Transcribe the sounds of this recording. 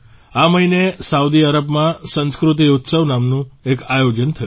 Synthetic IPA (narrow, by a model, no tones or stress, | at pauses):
aməɦinesaud̪iaɾəbmãsə̃nskɾut̪̬iʊt̪səʋnamnũekajod͡ʒənt̪ʰəju